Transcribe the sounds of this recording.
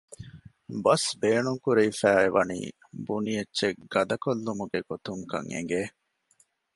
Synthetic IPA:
bɐsbeːnuŋkuɾeifæːeʋʔɐnḭː | bunijɐtːʃeɡ̥ɐd̪ɐkolːumuɡeɡ̥ot̪uŋkɐ̰ŋḛŋɡeː

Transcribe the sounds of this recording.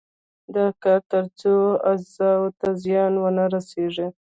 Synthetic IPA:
d̪əkakaɾt͡soazɑwt̪azjɑnwənaɾaseʐi

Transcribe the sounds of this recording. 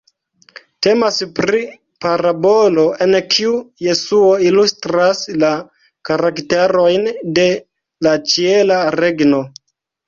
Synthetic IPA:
te̞maspɾi | paɾabo̞loʔe̞nkʰiuje̞suo̞ilustɾasla | kaɾakte̞ɾo̞jnde̞ | lat͡ʃie̞laɾe̞ɡno̞

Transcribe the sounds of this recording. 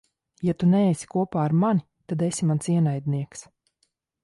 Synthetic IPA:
jat̪uneːsi̥kuɔpaːɾmani | t̪ad̪esimansiɛnajd̪niɛks

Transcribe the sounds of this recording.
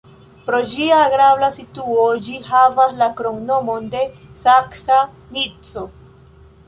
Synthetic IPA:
pɾo̞d͡ʒiaːɡɾablasituod͡ʒiɦavaslakɾo̞ŋno̞mo̞nde̞saksa | nit͡so̞

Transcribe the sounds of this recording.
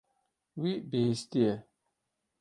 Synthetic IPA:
wiʔbestiɛ

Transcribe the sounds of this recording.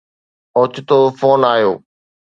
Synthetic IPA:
oːt͡ɕʊt̪oːfoːnaːjoː

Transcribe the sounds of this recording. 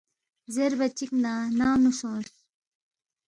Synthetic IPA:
zeɾbɐt͡ɕiknaːnaːnusõːs

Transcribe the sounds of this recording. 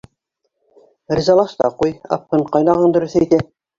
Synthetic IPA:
rʲizɑlˠɑʃt̪ɑ̰qujɑ̰p̚qɤɴqɑjnɑʁɑnd̪ɵ̆ɾɵ̆θæit̪æ

